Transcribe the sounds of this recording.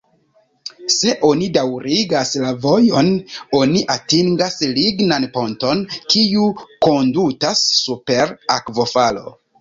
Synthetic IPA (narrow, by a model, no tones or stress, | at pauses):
se̞ʔo̞nidawɾiɡaslavo̞jo̞no̞niʔatiŋɡasliɡnanpo̞nto̞nkiuko̞ndutasːupe̞ɾakvo̞falo̞̰